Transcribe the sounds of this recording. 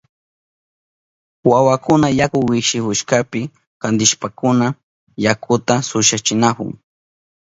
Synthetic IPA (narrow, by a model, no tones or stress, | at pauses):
wawakʊnajakʊwɪkʃɪkʊʃkapɪ | kand̪ɪʃpakʊna | jakʰʊt̪asʊʃat͡ʃɪnakʊ̰ŋ